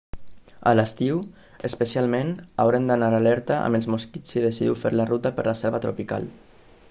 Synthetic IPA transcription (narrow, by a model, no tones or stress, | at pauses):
a̰ləst̪iw | espəsialmenawɾend̪anaɾalɛɾt̪aʔa̰melˠzmoskit͡sið̞esiðḭwfeɾlarut̪apəɾləsɛɾβat̪ɾopika̰l